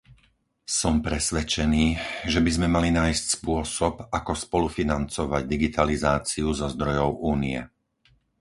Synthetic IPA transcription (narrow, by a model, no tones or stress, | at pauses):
sɔmpɾɛsʋɛt͡ʃɛniːʒɛbizmɛmalinaːjscspʊɔsɔpakɔspɔlufinant͡sɔʋaɟ̚d̪iɡit̪ʰalizaːt͡siuzɔzd̪ɾɔjɔʊʔuːniɛ̰